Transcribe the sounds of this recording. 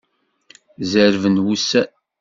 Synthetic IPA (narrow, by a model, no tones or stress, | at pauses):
zəɾvənwusæ